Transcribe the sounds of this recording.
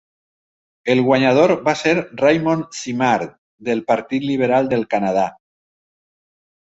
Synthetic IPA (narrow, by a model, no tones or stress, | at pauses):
elɣwaɲað̞oɾβaseɾrajmõnsimaɾt̪ | d̪elpaɾt̪it̪liβ̞eɾald̪elkanað̞a